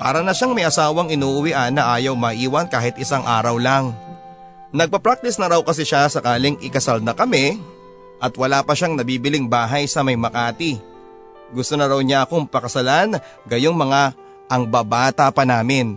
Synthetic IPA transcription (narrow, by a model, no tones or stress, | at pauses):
pa̰ːɾɐnɐʃaŋmɐjɐsaːwɐŋɪnuːʔʊwiʔanɐʔaːjɐwmɐʔiːwɐnkaːɦɪt̪ʔɪsaŋʔa̰ːɾɐwlaŋ | nɐɡ̚pɐpɾak̚t̪ɪsnɐɾɐwkɐsɛʃasɐkaːlɪŋʔɪkɐsalnɐkɐmɛ | ʔɐt̪wɐlaːpɐʃaŋnɐbiːbɪlɪŋbaːɦɐjsɐmɐjmɐkaːt̪i | ɡʊst̪o̞nɐɾɐwɲaʔɐko̞ŋpɐkɐsɐlan | ɡɐjoŋmɐŋa | ʔɐŋbaːbaːt̪ɐpɐnaːmɪn